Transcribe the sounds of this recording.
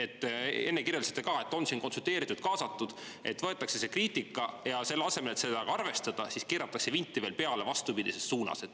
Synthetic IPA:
e̞t̪ːe̞nːekirjɑlset̪ekɑːe̞t̪ːˑo̞nsiːnko̞nsult̪ˑe̞ːɾit̪ːˑud̪̥̚kɑːsɑt̪ːud̪̥ | e̞t̪ːvɤe̞t̪ːˑɑkse̞se̞kriːt̪ˑikːˑɑjɑse̞lːɑse̞me̞let̪se̞d̪ɑɡɑɑrve̞st̪ɑd̪̥ɑsiskeːɾɑt̪ːˑɑkse̞vinʲt̪ːˑive̞ːlpe̞ɑle̞vɑst̪upid̪ise̞st̪ːuːnɑ̰se̞d̪

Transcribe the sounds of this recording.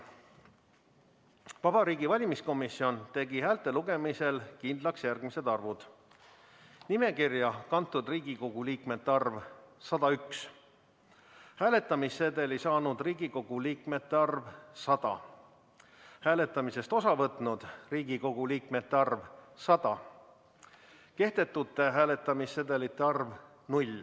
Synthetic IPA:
vɑb̥ɑɾiːɡivɑlʲimisko̞misːio̞nt̪e̞ɡihæːlt̪ːˑe̞luɡ̥e̞mise̞lkind̪lɑksjærɡmise̞d̪ɑrvud̪̥ | nime̞kirjɑkɑnt̪ːˑud̪riːɡ̥iko̞ɡ̥uliːkme̞t̪ːeɑrvsɑd̪̥ɑyks | hæːle̞t̪ːˑɑmisːed̪e̞lisɑːnud̪̥riːɡiko̞ɡ̥uliːkme̞t̪ːe̞ɑrvsɑd̪̥ɑ̰ | hæːle̞t̪ːˑɑmise̞st̪o̞sɑvɤt̪ːˑnud̪̥riːɡ̥iko̞ɡ̥uliːkme̞t̪ːeɑrvsɑd̪̥ɑ | ke̞hd̪e̞t̪ːˑut̪ːe̞ɦæːle̞t̪ːˑɑmisːed̪e̞lit̪ːˑeɑrv | nulʲ

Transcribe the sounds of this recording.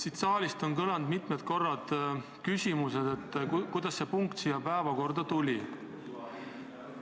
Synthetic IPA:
sit̪sɑːlist̪o̞nkɤlɑnd̪mit̪ˑmet̪ko̞rːɑd̪̥ | kysʲimuse̞d̪̥e̞t̪ːˑkujd̪̥ɑsːe̞puŋkt̪sijɑpæevɑko̞rd̪ɑt̪ulʲi

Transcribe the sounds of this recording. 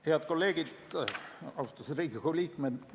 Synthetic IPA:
heɑd̪̚kolːeːɡ̥id̪ | ɑst̪usriːkikoliːkmen

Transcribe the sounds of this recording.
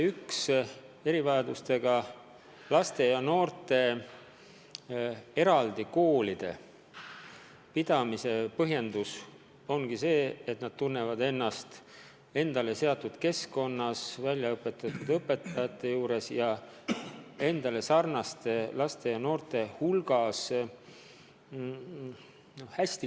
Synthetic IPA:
yks | e̞ɾivɑjɑd̪ust̪e̞ɡ̥ɑ | lɑst̪e̞jɑno̞ːrt̪e̞ | e̞ɾɑld̪iko̞ːlid̪̥e̞̰ | pid̪̥ɑmise̞pɤɦje̞nd̪us | o̞nɡ̥ise̞ːt̪nɑd̪̥̚t̪unːe̞vɑd̪e̞nːɑst̪ | e̞nd̪̥ɑle̞se̞ɑt̪ːˑud̪̥ke̞sko̞nːɑsvælʲjɑɤpːˑe̞t̪ːˑɑt̪ːˑud̪̥ɤpːˑe̞t̪ˑːɑjɑt̪ːe̞juːɾe̞sjɑ | e̞nd̪̥ɑle̞sɑrnɑst̪elɑst̪e̞jɑno̞ːrt̪e̞hulɡ̥ɑs | nohæsʲt̪i

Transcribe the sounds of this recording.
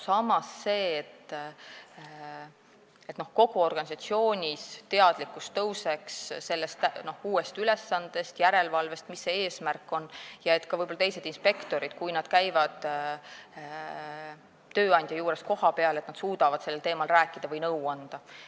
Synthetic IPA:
sɑmɑsːe̞ːt̪ː | et̪no̞hko̞ɡ̥uo̞rɡ̥ɑnʲis̬ɑt̪sio̞ːnʲist̪e̞ɑd̪̥likːˑust̪ːɤwseksse̞lːe̞st̪no̞huːe̞st̪ylesːɑnd̪̥e̞st̪jæɾe̞lvɑlve̞st̪misːeeːsmærkːˑo̞njɑe̞t̪ːˑkɑvɤjbolɑt̪ejse̞d̪̥inspe̞kt̪o̞ɾid̪̥kujnɑd̪̥kæjvɑd̪̥ | t̪ø̞ːɑnʲd̪̥ʲjɑjuːɾe̞sko̞hɑpe̞ɑlet̪nɑd̪suːd̪̥ɑvɑd̪̥se̞lːelt̪e̞ːmɑlræːkːˑid̪ɑvɤjnɤwɑnd̪̥ɑ

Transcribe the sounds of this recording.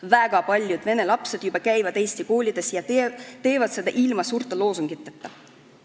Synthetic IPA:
væɡ̥ɑpɑlʲjud̪̥ne̞nelɑpse̞d̪̥jubɑkæjvɑd̪̥e̞ːst̪iko̞ːlʲid̪̥e̞sjɑt̪e̞ːvɑd̪̥se̞d̪̥ɑʔilmɑsuːrt̪ːˑelo̞ːsuŋɡ̥it̪ːˑet̪ːˑɑ

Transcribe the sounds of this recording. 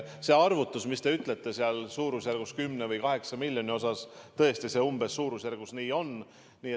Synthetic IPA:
se̞ɑrvut̪ːˑusmist̪e̞yt̪ˑle̞t̪ːˑe̞seɑlsuːɾusjærɡ̥uskymnevɤjkɑɦe̞ksɑmilʲjo̞nʲio̞sɑst̪ɤe̞st̪ise̞ːumb̥e̞sːuːɾusjærɡ̥usniːo̞n | niːe

